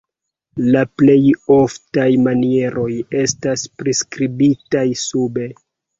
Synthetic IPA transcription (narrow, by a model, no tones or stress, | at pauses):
laple̞jo̞ftajmanie̞ɾo̞je̞staspɾiskɾibitajsube